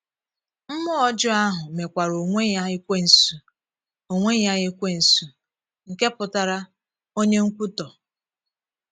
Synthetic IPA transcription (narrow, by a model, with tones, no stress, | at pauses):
m̩˦mʊ˦ɔ˦d͡ʒʊ˦a˦ɦʊ˨me˨kʷa˨ɾo˨ŋʷe˦ja˦ɪ˦kʷe˦n̩˨su˨ | o˨ŋʷe˦ja˦ɣɪ˦kʷe˦n̩˨su˨ | ŋ̩˨ke˦pʊ˨ta˨ɾa˦ | o˦ɲe˦ŋ̩˦kʷu˦tɔ˨